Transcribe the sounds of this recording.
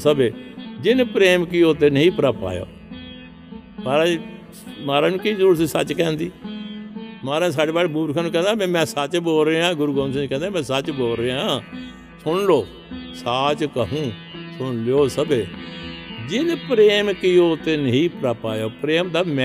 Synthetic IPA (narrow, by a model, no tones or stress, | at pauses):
səbeːd͡ʒɪnpɾeːmkioːt̪eːnəɦĩːpɾaːpa̰ːjo̰ː | maːɾa | maːɾaːnũːkiːzəɾuːɾssət͡ʃkɛ̃ːnd̪iː | maːɾaːns̬aːɽeːbaːɽebuːɾkʰaːnũːkɛ̃ːnd̪aːmẽmɛ̃ːsət͡ʃboːlɾeːãːɡʊɾuːɡõːns̬ɪ̃nd͡ʒkɛ̃ːnd̪ãːmɛ̃ːsət͡ʃboːlɾeːãː | sʊɳloː | saːt͡ʃkəɦũː | sʊnloːsəbeː | d͡ʒɪnpɾeːmkɪoːt̪eːnəɦĩːpɾaːpaːjoːpɾeːmd̪aːmɛ̃